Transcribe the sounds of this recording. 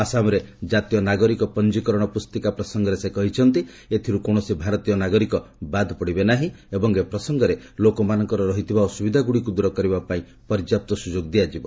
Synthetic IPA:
asamɔɾed͡ʒat̪ijɔnaɡɔɾikɔpɔnd͡ʒikɔɾɔɽ̃ɔpust̪ikapɾɔsɔŋɡɔɾesekɔɦit͡ʃʰɔnt̪i | et̪ʰiɾukoɽ̃ɔsibʱaɾɔt̪ijɔnaɡɔɾikɔbad̪ʱpɔɽibenaɦĩebɔŋepɾɔsɔŋɡɔɾelokɔmanɔŋkɔɾɔɾɔɦit̪ʰibaosubid̪ʱaɡuɽikud̪uɾɔkɔɾibapaĩ | pɔɾid͡ʒap̚t̪ɔsud͡ʒoɡd̪ijad͡ʒibɔ

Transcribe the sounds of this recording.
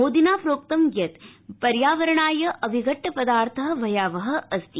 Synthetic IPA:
ɦoːd̪inaːpɾoːk̚t̪ɐmɡjɐt̪pɐɾjaːʋɐɾɐɳaːjɐʔɐʋʱiɡʱɐʈːɐpɐd̪aːɾt̪ʰɐɦɐʋɐjaːʋɐɦɐ̆ʔɐst̪i

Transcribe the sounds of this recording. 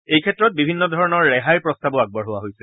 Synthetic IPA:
ejkʰɛtːɹɔt̚bibʱinːɔdʱɔɹɔnɔɹːɛɦajpɹɔstabɔaɡ̚bɔɹɦʊwaɦojsɛl

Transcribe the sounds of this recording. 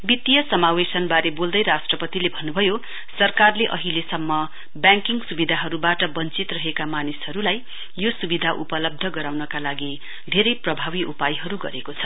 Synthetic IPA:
bit̪ijʌsʌmawesʌnbaɾebold̪ʌjɾasʈrʌpʌt̪ilebʱʌnːubʱʌjo | sʌrkarleʔʌɦilesʌmːʌ | bjaŋkiŋɡsubid̪ʱaɦʌɾubaʈʌbʌnt͡sit̪rʌɦekamanishʌɾulaj | josubid̪ʱaʔupʌlʌb̚d̪ʱʌɡʌɾawnʌkalaɡi | d̪ʱeɾʌjprʌbʱawiʔupajɦʌɾuɡʌ̰ɾekot͡sʰʌ̥

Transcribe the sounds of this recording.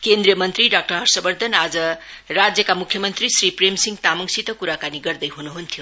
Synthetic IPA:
kend̪ɾijʌmʌnt̪ɾiɖak̚ʈʌɾɦʌɾsʌbʌɾd̪ʱʌnad͡zʌ | ɾad͡zjʌkamukʰjʌmʌnt̪ɾisɾipɾemsiŋt̪amʌŋsit̪ʌkuɾakaniɡʌɾd̪ʌjɦunuɦunt̪ʰijo

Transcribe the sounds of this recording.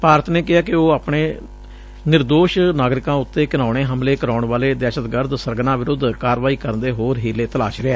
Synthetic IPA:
paːɾət̪neːkɪɦaːkɪoːaːpɳeː | nɪɾd̪oːʃnaːɡɾɪkãːʊt̪ːeːkɪnaːʊɳ̃eːɦəmleːkəɾaːʊɳʋaːleːd̪ɛːʃət̪ɡəɾd̪səɾɡnãːʋɪɾʊd̪kaːɾʋaːiːkəɾnd̪eːɦoːɾɦiːleːt̪əlaːʃɾɪeː

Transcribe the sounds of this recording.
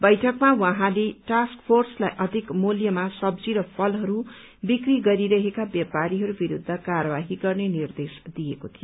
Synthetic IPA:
bʌjʈʰʌkmawãɦãleʈaskpʰorslajʔʌd̪ʱikmuljʌmasʌbd͡ziɾʌpʰʌlɦʌɾu | bikriɡʌɾiɾʌɦekabjʌpaɾiɦʌɾubiɾud̪ʱːʌkarʌbaɦiɡʌrnenird̪esd̪ijekot̪ʰijo

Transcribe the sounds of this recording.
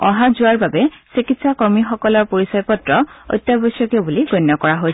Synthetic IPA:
ɔɦazuaɹbabesikitsakɔɹmixɔkɔlɔɹpoɹisɔjpɔtɹɔo̰jt̪ːjabɔsjɔkobuliɡonːɔkɔɹaɦoj

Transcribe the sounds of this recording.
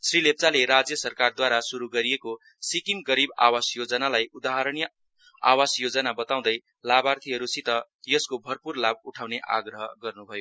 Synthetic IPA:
srileb̚t͡saleɾad͡zjʌsʌrkard̪waɾasuɾuɡʌɾijeko | sikimɡʌɾiba̰wasjod͡zʌnalajud̪aɦaɾʌnjʌ | a̰wasjod͡zʌnabʌt̪aw̃d̪ʌj | labart̪ʰiɦʌɾusit̪ʌ | jʌskobʱʌrpurlabuʈʰaw̃neʔa̰ɡrʌɦʌɡʌrnubʱʌjo

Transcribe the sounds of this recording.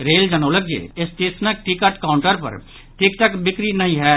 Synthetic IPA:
ɾeːld͡ʒənoːləɡ̚d͡ʒḛːɪst̪isnək̚ʈikəʈkaːʊɳʈəɾpə̰ɾ | ʈɪk̚ʈ̪əkbɪkɾinɐɦĩɦɛː

